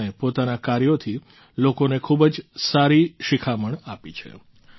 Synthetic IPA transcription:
epot̪anakaɾjot̪ʰi | lokonekʰubd͡ʒsaɾiʃikʰaməɳapit͡ʃʰḛ

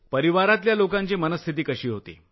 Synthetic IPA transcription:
pəɾiʋaɾat̪ljalokãɲt͡ɕiːmənəst̪ʰit̪iːkəɕiːɦot̪ḛ

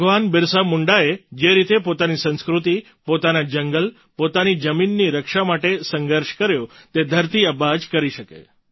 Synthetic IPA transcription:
bʱəɡʋanbɪɾsamuɳɖaed͡ʒeɾit̪epot̪anisə̃nskɾut̪i | pot̪anad͡ʒəŋɡəl | pot̪anid͡ʒəminːiɾəkʃamaʈesəŋɡəɾʃkəɾjõt̪ed̪ʱəɾt̪iəbad͡ʒkəɾiʃəkḛ

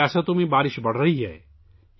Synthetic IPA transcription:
ɛːsat̪ʊmẽbaːɾɪʃbɐɽ̤ɾɐɦiɦɛ̰ː

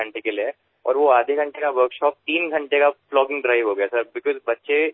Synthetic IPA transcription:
ɐ̃ɳʈekelie | ɔ̰ːɾʋoaːd̪ʱeɡʱɐ̃ɳʈekaʋəɾkʃɔːp̚t̪iːnɡʱɐ̃ɳʈekaflɔːɡɪ̃ŋɡɖɾaːɪʋɦoɡɐjasɐɾbɪkɔːzbɐtːʃe

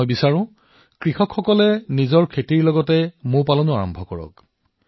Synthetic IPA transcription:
jbisaɹʊ̃ | kɹixɔkxɔkɔlɛnizɔɹkʰetiɹlɔɡɔtɛmʊ̃ɹpalɔnʊaɹɔ̰mbʱɔkɔɹɔ̰k

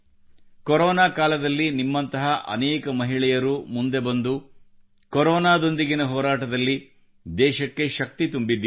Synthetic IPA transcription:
kɔɾɔːnaːkaːlɐd̪ɐlːinimːɐnt̪ɐɦɐʔɐ̰nɛːkɐmɐɦiɭɛjɐɾumund̪e̞bɐnd̪u | kɔɾɔːnaːd̪o̞nd̪iɡinɐɦɔːɾaːʈɐd̪ɐlːi | d̪ɛːʃɐkːe̞ʃɐk̚t̪it̪umbid̪ːi

